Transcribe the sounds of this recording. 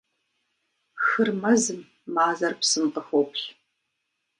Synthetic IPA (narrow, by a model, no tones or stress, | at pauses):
xɨrmɐzɨmː | aːzɐrpsɨmqəxʷowpʰɬ